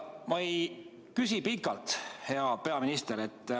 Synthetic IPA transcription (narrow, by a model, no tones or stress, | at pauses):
mɑej | kysipikːˑɑlt̪he̞ɑpe̞ɑminist̪eɾe̞t̪ːˑ